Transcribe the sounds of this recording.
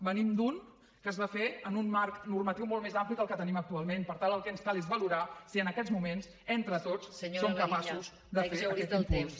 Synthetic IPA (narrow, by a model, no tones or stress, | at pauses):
bənimd̪un | kəzβafeənunmarknurmət̪iwmolˠmezampliəlˠkət̪ənimək̚t̪ualˠmenpəɾt̪alˠəlˠkɛnskalezβəluɾasiənəkɛd͡zmumens | ent̪ɾət̪ot͡sːəɲsomkəpasuz | d̪əfeɾɛt̪kus